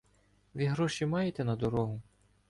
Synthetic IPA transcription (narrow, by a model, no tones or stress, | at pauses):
ʋʲiɦɾɔʃimɑjet̪ɛnɐd̪ɔɾɔɦʊ